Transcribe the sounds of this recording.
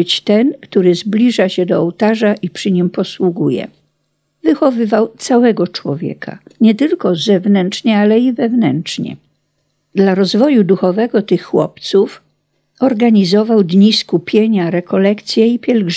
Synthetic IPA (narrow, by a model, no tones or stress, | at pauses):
t͡ɕt̪ɛnkt̪uɾɘzblʲiʐaɕɛd̪ɔːwt̪aʐaʔipʂɘɲimpɔswuɡujɛ̰ | vɘxɔvɘvawt̪sawɛɡɔt͡ʂwɔvʲjɛ̰kʰa̰ɲɛt̪ɘlkɔzɛvnɛnt͡ʂɲɛalɛivɛvnɛntʂɲɛ̰ | d̪laɾɔzvɔjud̪uxɔvɛɡɔt̪ɘxːwɔ̰pt̪suf | ɔɾɡaɲizɔvawd̪ɲiskupʲjeɲaɾɛkɔlɛkt̪sʲjɛipʲjɛlɡʐ